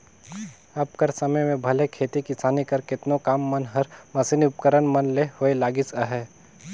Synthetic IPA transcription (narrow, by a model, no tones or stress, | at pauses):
ɐp̚kəɾsɐməjmẽbʱɐlekʰeːt̪ikɪsaːnikɐɾkɪt̪nokaːmːɐnɦɐɾmɐsiniʊpkəɾənmənlehoelaːɡɪsəɦɛː